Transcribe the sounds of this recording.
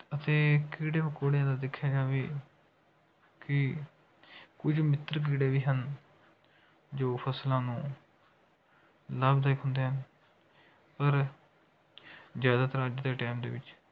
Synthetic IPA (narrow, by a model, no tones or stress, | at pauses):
ət̪eːkiːɽeːbəkoːɽjãːd̪aːd̪ɪkʰːjaːd͡ʒaːʋeː | kɪ | kʊd͡ʒmɪt̪ɾk̬iːɽeːʋiːɦən | d͡ʒoːpʰəslãːnũː | laːbd̪aːɪkɦʊ̃nd̪eːɦən | pəɾ | zjaːd̪aːt̪əɾəd͡ʒd̪eːʈaːmd̪ḛːʋɪt͡ʃ